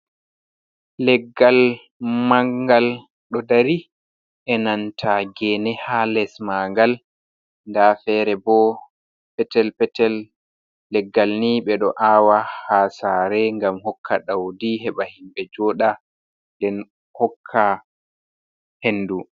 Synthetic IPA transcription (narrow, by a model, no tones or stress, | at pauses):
lɛɡːal | maŋɡal | ɗɔdaɾi | ʔɛnantʰaɡɛnɛhalɛsmaŋɡal | ndafɛɾɛbɔ | pɛtɛlpɛtɛlː | ɛɡːalniɓɛɗɔʔaːwahasaːɾɛŋɡamhɔkʰːaɗawdiɦɛɓahimɓɛd͡ʒɔːɗa | ndɛn | hɔkʰːa | henːdu